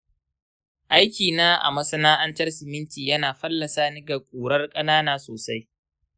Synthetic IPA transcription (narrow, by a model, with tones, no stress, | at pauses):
ʔa˦jkʲiː˨naː˦ʔa̰˨mɐ˦sɐ˦naː˦ʔɐ˦ntɐ˦rsɪ˨mɪ˦ntiː˨jɐ˦naː˨ɸɐ˦lːɐ˨saː˦nɪ˦ɡa˨kʷʼuː˨ɽɐ˦rkʼɐ˦naː˦naː˦soː˨sa˦j